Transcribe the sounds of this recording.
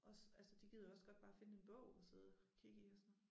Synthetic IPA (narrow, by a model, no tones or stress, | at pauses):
ʔɒ̽sælsəd̥iɡ̥ið̰ˠoɒ̽sɡ̥ɒ̽d̥b̥ɑ̈ːfe̝nəe̝nb̥ɔʊ̰ɒseðˠkʰiɡ̥əiɒsɔno